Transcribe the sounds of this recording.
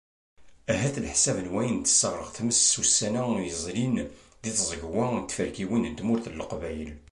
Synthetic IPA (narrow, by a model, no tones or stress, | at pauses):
æɦæθəlħsævənwæjənt̪ːə̥sːəʁːˤəʁθməssusːænæjəzˤlind̪iθzˤəɡwæt̪ːfəɾkiwind̪mʊɾθəlːəqvæjəl